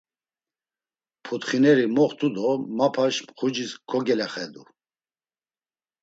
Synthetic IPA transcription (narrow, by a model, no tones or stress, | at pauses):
pʰut̪χinɛɾimɔχt̪ʰud̪ɔmapʰaʃmχud͡ʒiskʰɔɡɛlɛχɛd̪u